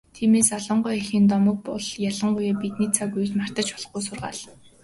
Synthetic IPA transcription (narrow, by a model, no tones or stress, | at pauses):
t̪ʰiːmeːsɔɮɞ̆ɴɢʊjexiːnt̪̬ɔmɞ̆k̚pɔɮjaɮə̆ɴɢʊjaːpit̪nit͡sʰaɡuj̆t̪mar̥t̪ə̆t͡ɕpɔɮ̆χɡujsʊrʁa̰ːɮ